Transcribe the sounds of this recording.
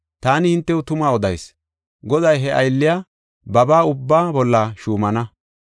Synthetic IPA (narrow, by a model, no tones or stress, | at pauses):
t̪aːnɪhɪnt̪ːɛwʊt̪ʊmaːɔd̪ɐjs | ɡɔd̪ɐjɦɛʔɐjlːɪjaː | bɐbaːʊbːaːbɔlːɐʃuːmɐnɐ